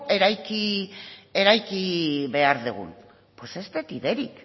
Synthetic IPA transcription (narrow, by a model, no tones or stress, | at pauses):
e̞ɾajki | e̞ɾajkiβe̞aɾðuɣ̞ṵn | po̞se̞st̪et̪iðe̞ɾik